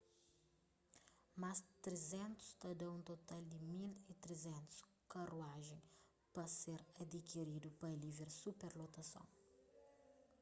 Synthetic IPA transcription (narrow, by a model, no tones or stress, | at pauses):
masd̪t̪ɾezɛ̃nt̪u̥st̪ɐd̪ɐ̃ũt̪ot̪ald̪imilit̪ɾezɛ̃nt̪u̥s | kɐruaʒẽj̃ | pɐseɾɐd̪ikiɾid̪upɐliveɾsupɛɾlot̪ɐsɐ̰̃w̃